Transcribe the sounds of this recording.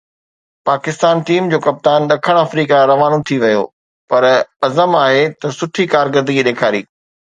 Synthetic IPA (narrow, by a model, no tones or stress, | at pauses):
paːkɪst̪aːnʈiːmd͡ʑoːkɐp̚t̪aːnɗɐkʰəɽ̃aːfɾiːkaɾɐʋaːnot̪ʰiʋɐjo̰ː | pɐɾɐzəmaːɦet̪ɐsʊʈʰikaːɾɡəɾd̪əɡiɗeːkʰaːɾḭː